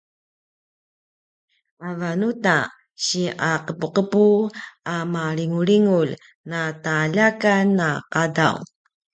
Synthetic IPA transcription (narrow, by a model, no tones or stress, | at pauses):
avanuta | ɕiʔaqəpuqəpuamaɾiŋuɾiŋul | nataːʎakanːaqada̰w